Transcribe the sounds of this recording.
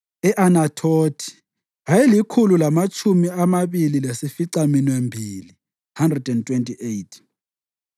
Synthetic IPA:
ɛʔanatʰoːtʰi̥ | ɦajilikʰululamat͡ʃʼʰumiamaβililesifiǀaminwembʱili | handrɛdɛntʼwentʼiʔejtʰ

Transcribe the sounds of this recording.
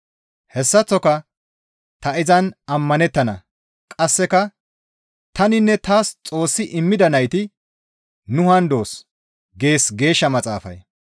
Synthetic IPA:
hɛsːɐt͡sːɔkɐ | t̪ɐɪzɐnɐmːɐnɛt̪ːɐnɐ̰ | kʼɐsːɛkɐ | t̪ɐnɪnːɛt̪aːst͡sʼo̞ːsːɪʔɪmːɪd̪ɐnɐjt̪ɪ | nʊhɐnd̪o̞ːs | ɡe̞ːsɡe̞ːʃːɐmɐt͡sʼa̰ːfɐ̰j

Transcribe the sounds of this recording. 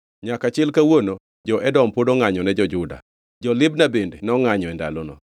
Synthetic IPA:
ɲakat͡ʃɪlkawono | d͡ʒɔʔɛdɔmpodoŋaɲɔnɛd͡ʒɔd͡ʒʊda̰ | d͡ʒɔlɪbnabendenɔŋaɲɔɛnda̰lɔnɔ̰

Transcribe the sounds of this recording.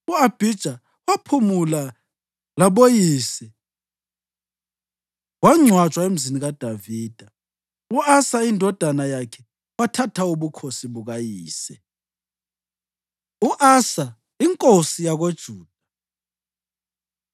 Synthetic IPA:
uab̥ʱid̥ʒ̥ʱa | wapʰumula | laɓojiːsɛ | waŋ͡ǀʱwḁt͡ʃʼwaem̩ziniɣad̥ʱaviːd̥ʱa | uasaindʱɔd̥ʱanajakʰɛ | watʰatʰauβukʰosiβuɣajiːsɛ | uʔasa | iŋkʼosijaɣod̥ʒ̥ʱuːd̥ʱa

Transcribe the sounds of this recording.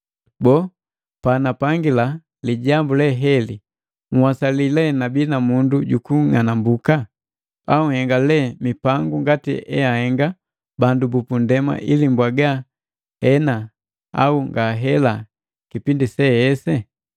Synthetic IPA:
bɔ | panapaŋɡila | liɟambulɛɦɛli | ŋ̩wasalilɛnabinamunduɟukuŋanambuka | auŋ̩hɛŋɡalɛmipaŋɡuŋɡatḭɛjahɛŋɡa | bandubupundɛma̰ʔilimbwaɡa | hɛna | a̰uŋɡaɦɛla | kipindisɛjɛsɛ

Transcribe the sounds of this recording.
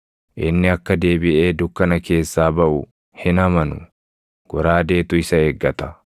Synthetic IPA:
ʔɪnːɪɐkːɐd̪e̞ːbɪʔe̞ːd̪ʊkːɐnɐke̞ːsːaːbɐʔʊ | hɪnɐmɐnʊ̰ | ɡ̥ɔɾaːd̪e̞ːt̪ʊɪsɐeːɡːɐt̪ɐ̥

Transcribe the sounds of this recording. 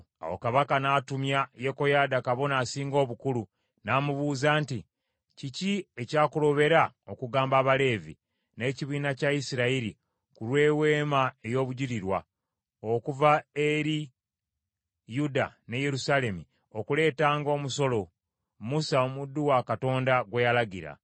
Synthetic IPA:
a̰wo̰kaβakanaːtumjajeko̞jaːdakaβo̞naːsiːŋɡo̞ːβukulu | naːmuβuːzaːnti | ciciecaːkulo̞βe̞ɾaokuɡaːmbaːβale̞ːvḭ | ne̞ciβiːnacaisiɾaiɾḭ | kulwe̞ːwe̞ːmae̞jo̞ːβuɟiɾiɾwa | okuvaeɾi | juda̰ne̞je̞ɾusale̞mi | o̞kule̞ːtaːŋɡo̞ːmuso̞lo̞ | musaomudːuwakato̞ːndaɡwe̞jalaɡiɾa̰

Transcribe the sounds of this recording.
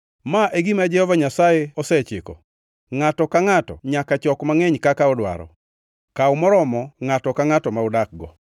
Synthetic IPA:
maʔeɡimad͡ʒɛhɔvaɲasajɛɔsɛt͡ʃɪkɔ̰ | ŋatɔkaŋatɔ̰ɲakat͡ʃɔkmaŋɛɲkakaɔdwa̰ɾɔ̰ | kaʊmɔɾɔmɔŋatɔkaŋatɔmaʊdak̚ɡɔ

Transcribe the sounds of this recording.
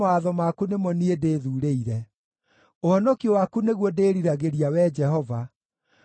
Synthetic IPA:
aðɔmakunemɔniedeːðuɾeiɾɛ | ohɔnɔkiowakuneɣwɔdeːɾiɾaɣeɾiawɛd͡ʒɛhɔva

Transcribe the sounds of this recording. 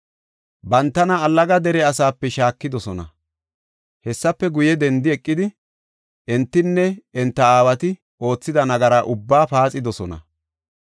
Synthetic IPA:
bɐnt̪ːɐnɐːlːɐɡɐd̪ɛɾɛɐsaːpːɛʃaːkːɪd̪ɔsɔnɐ̰ | hɛsːɐpːɛɡʊjɛd̪ɛnd̪ɪɛkʼːɪd̪ɪ | ʔɛnt̪ːɪnːɛɛnt̪ːɐaːwɐt̪ɪ | o̞ːt͡sːɪd̪ɐnɐɡɐɾaʔʊbːaːpaːt͡sʼɪd̪ɔsɔnɐ̰

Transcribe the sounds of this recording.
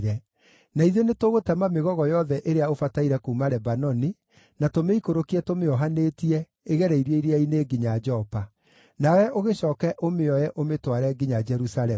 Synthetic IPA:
ɾɛ | naiðenetoɣotɛmameɣɔɣɔjɔðɛʔeɾeaofataiɾɛkoumaɾɛbanɔni | natomeikoɾokiɛtomeɔɦanetiɛ | eɣɛɾɛiɾeiɾeaineːɡiɲad͡ʒɔpa | nawɛʔoɣeɕɔːkɛʔomeɔjɛʔometwaɾɛɡiɲad͡ʒɛɾusaɾɛ

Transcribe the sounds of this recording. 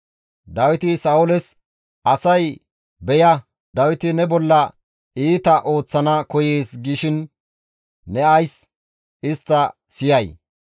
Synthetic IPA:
d̪ɐwɪt̪ɪsɐʊlɛs | ɐsɐj | bɛjɐ | d̪ɐwɪt̪ɪnɛbɔlːɐ | iːt̪ɐʔo̞ːt͡sːɐnɐkɔjeːsɡiʃɪnː | ɛɐjs | ɪst̪ːɐ | sɪjɐj

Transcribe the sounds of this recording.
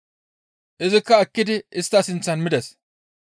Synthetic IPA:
ʔɪzɪkːɐːkːɪd̪ɪʔɪst̪ːɐsɪnt͡sːɐnmɪd̪ɛs

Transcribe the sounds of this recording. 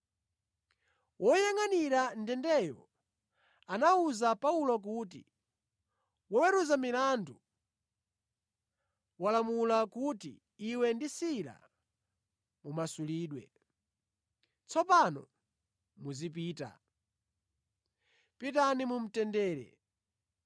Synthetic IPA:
wʔɔjaŋaniɾan̩dɛndɛjɔ̰ | anauzapaulɔk̬uːt̬ḭ | wɔwɛɾuzamilandu | walamulakutḭː | wɛndisiɾa̰ | mumasuliːɗwɛ̰ | t͡sɔpanɔ̰ | muzip̬iːta̰ | pitanimum̩tɛndɛːɾɛ̰

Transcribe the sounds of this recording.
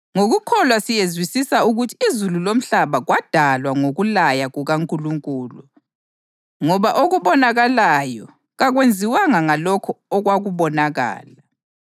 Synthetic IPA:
ŋoɣukʰɔlwasijezwisisauɣutʰiːzululom̩ɬaβaɣwad̥ʱalwaŋoɣulajaɣuɣaŋkʼuluŋkʼuːlu | ŋɔβaʔoɣuβɔnaɣalajɔ | ɣaɣwend͡zʱiwaŋaŋalɔkʰɔɔɣwaɣuβɔnaɣa̰ːla

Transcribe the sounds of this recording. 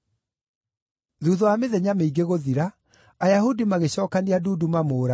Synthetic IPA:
ðuːðɔameðɛɲameiɡeɣoðiɾaː | jaɦudimaɣeɕɔːkaniaduːdumamoːɾa

